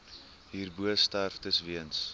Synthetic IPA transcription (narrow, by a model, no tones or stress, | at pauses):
ɦiːrbuəstærftəsviəns